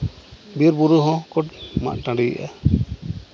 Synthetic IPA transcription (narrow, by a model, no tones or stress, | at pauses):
biɾbuɾuɦɔ̃kɔʈma̰ʔʈãɖiɡ̰ʔa̰